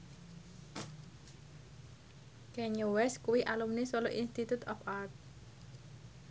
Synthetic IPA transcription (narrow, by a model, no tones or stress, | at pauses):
kɛɲowɛskuwiʔalumnesoloʔinst̪it̪ut̪ɔ̰part̪̚